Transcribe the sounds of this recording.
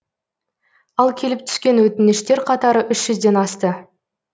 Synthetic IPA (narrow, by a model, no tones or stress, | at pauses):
ɑlˠkʲʰe̞lɪp̚t̪ʰʏ̥skʲe̞nwɵt̪ɪnɪʃt̪e̞ɾqʰɑt̪ɑɾəʔʏʃʒ̥ʏzd̪e̞nɑst̪ə